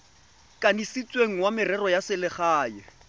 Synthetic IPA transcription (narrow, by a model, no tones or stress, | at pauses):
kʼanisit͡sʼweŋ̩wamɪrɛrɔjasɪlɪχaːjɛ